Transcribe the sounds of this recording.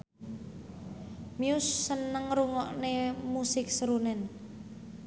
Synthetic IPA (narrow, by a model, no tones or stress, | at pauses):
miʊsːənəŋɾuŋɔʔnemusɪk̚səɾunɛn